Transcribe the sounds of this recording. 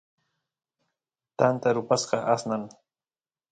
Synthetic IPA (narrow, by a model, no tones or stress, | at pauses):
t̪ant̪aɾʊpasɢɑʔasnaŋ